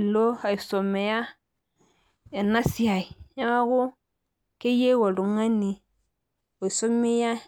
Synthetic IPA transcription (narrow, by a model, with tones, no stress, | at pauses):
lo˦a˨i˨so˨me˨ja˦ | e˨na˦si˦a˨i˨ja˦wa˦ku˦ | ke˦je˦wo˨lu˨ŋa˦ni˨ | wo˨i˨so˦me˦ja˦